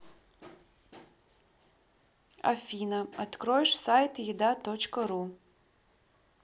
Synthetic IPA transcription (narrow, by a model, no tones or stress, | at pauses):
a̰fʲinɐatkɾojʂsajtʰjidatot͡ʃkɐɾu